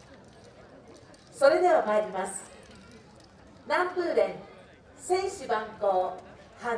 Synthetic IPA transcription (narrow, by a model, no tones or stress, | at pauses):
so̞ɾe̞d̪e̞βamaɾʲimasɨ̥ | nãmpɯ̟ːɾẽ̞ŋ | sẽ̞ɰɕibãŋko̞ː | hã